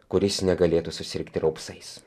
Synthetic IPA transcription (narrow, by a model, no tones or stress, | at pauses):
kʊɾʲɪsnʲɛɡɐlʲeːt̪ʊsʊsʲɪɾʲkt̪ʲɪɾɐʊpsɐɪs